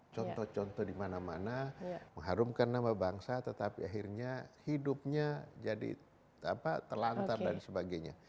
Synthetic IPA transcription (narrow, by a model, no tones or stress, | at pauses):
t͡ʃɔnt̪ɔht͡ʃɔnt̪ɔhdimanamanaməŋɦaɾumkanːamabaŋsat̪ət̪apḭaɦirɲahidʊp̚ɲad͡ʒadḭ | apat̪əlant̪adansəbaɡajɲa̰